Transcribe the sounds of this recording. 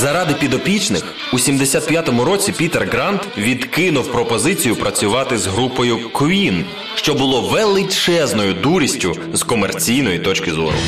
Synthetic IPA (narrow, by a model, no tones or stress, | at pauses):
zɐɾɑd̪ɪpʲid̪ɔpʲit͡ʃnɪx | usʲimd̪esʲat̪̚pʲjat̪ɔmʊɾɔt͡sʲipʲit̪erɡɾɑnt̪ʋʲid̪kɪnʊwpɾɔpɔzɪt͡sʲijʊpɾɐt͡sʲʊʋɑt̪ɪzɦɾupɔjʊkʋʲin | ʃt͡ʃɔbʊlˠɔʋelˠɪt͡ʃɛznɔjʊd̪uɾʲisʲtʲʊ | zkɔmert͡sʲijnɔjit̪ɔt͡ʃkɪzɔ̰ɾʊ̰